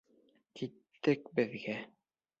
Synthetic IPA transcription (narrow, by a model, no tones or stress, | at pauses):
kit̪ːɘkbɘ̆ðɡæ